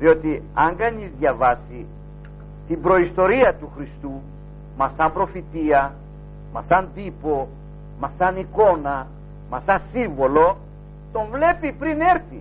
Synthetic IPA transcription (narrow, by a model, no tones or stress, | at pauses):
ðio̞t̪iɐŋɡɐɲizðʝɐvɐsi | t̪imbɾo̞ist̪o̞ɾiɐt̪uxɾist̪u | mɐsɐmbɾo̞fit̪iɐ | mɐsɐnd̪ipo̞ | mɐsɐniko̞nɐ | mɐsɐsiɱvo̞lo̞ | t̪o̞ɱvle̞pipɾine̞ɾθḭ